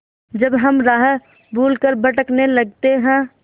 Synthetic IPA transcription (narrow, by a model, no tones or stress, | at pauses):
d͡ʒəbɦəmɾaːɦə | bʱuːlkəɾbəʈəknelɐɡ̚t̪eɦɛ̃